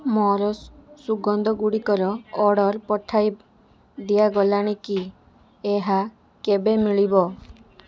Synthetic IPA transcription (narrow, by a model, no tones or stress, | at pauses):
mɔɾɔsuɡɔnd̪ɔɡuɽikɔɾɔːɽɔɾpɔʈʰaj | d̪iaɡɔlaɽ̃iki | eɦa | kebemiɭibɔ